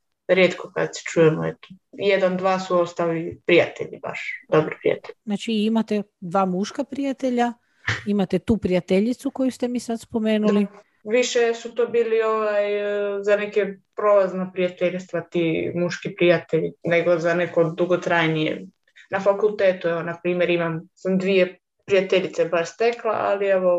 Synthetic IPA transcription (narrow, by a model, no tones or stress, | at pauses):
ɾjeːt̪koka̰d̪si̥t͡ʃujemo̰ḛt̪o̥jed̪and̪ʋaːsuost̪alipɾija̰t̪ḛʎḭba̰ʃd̪obɾpɾḭja̰t̪eʎznaːt͡ʃiimat̪ed̪ʋaːmuʃkapɾijat̪eʎa | imat̪et̪uːpɾijat̪eʎit̪suko̞just̪e̞miːsad̪spo̞meːnuli | ʋiʃesut̪oːbiːlioʋajzanekepɾolaznopɾijat̪eʎʲst̪ʋat̪iːmuʃkipɾijat̪eʎineɡo̞zanekod̪uɡot̪ɾajnijḛ | nafakulˠt̪eːt̪ueʋonapɾiːmjeɾimamsamd̪ʋie | pɾijat̪eʎit̪sebaʃst̪eklˠa̰ʔa̰lieʋo